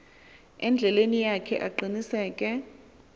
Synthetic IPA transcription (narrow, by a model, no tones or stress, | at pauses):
ɛnd͡ɮʱɛlenijakʰɛʔa̰ǃinisɛːkʼɛ